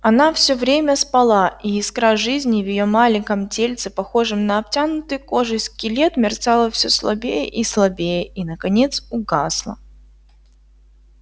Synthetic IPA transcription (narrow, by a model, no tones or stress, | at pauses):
ɐnafsʲovɾʲemʲəspɐlˠaʔiɪskɾaʐɨzʲnʲɪvjɪjo̞malʲɪŋʲkəmtʲelʲt̪sɨpɐxo̞ʐɨmnəɐp̚tʲanʊt̪ɨjko̞ʐɨsʲkʲɪlʲe̞t̪mʲɪrt̪salˠəfsʲoslˠɐbʲejəʔislˠɐbʲejəinəkɐnʲe̞t̪sʊɡaslˠə̰